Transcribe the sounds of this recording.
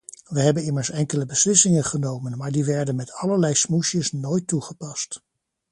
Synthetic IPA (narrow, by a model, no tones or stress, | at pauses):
ʋəɦɛbənɪməɹsɛŋkələbəslɪsɪŋənχənowmənmaːɹdiʋɛɹdənmɛtʰɑləɹlɛjsmuʃjəsnojtːuχəpɑst